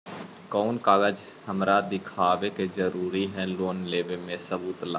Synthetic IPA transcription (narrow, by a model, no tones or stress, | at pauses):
kɔːnkaːɡəd͡ʒhəmɾad̪ɪkʰaːʋekezəɾuːɾiɦɛ̃loːnleːʋemẽsəbuːt̪la̰ː